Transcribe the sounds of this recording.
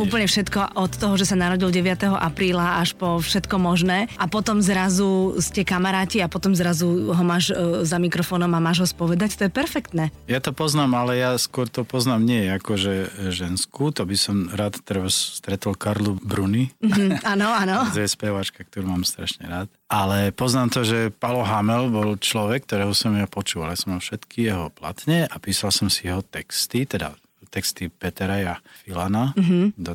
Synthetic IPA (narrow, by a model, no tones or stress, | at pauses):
uːpl̩ɲɛfʃɛt̪kɔʔɔt̪ːɔɦɔʒɛsanaɾɔɟilɟɛʋɪat̪ɛɦɔʔapɾiːlaaʃpɔfʃɛt̪kɔmɔʒnɛːʔapɔt̪ɔmzɾazuscɛkamaɾaːciapɔt̪ɔmzɾazuɦɔmaːʒzamikɾɔfɔːnɔmamaːʒɦɔspɔʋɛd̪act̪ɔjɛpɛɾfɛkt̪nɛːjat̪ɔpɔznaːmalɛjaskʊɔɾt̪ɔpɔznaːmɲɪɛjɛakɔʒɛʒɛnskut̪ɔbisɔmɾaːt̪t̪ːɾbasst̪ɾɛt̪ɔlkaɾlubɾunianɔanɔɔjɛspɛʋat͡ʃkak̚t̪ɔɾuːmaːmst̪ɾaʃɲɛɾaːt̪ | alɛpɔznaːmt̪ɔʒɛpalɔɦamɛlbɔlt͡ʃlɔʋɛk̚ːt̪ɔɾɛːɦɔsɔmjapɔt͡ʃuːʋaljasɔmalfʃɛt̪kʰijɛɦɔpla̰t̪ɲɛʔapiːsalsɔmsijɛɦɔt̪ɛkst̪it̪ɛd̪a̰ | t̪ɛkst̪ipɛt̪ɛɾajafilanaɦd̪ɔ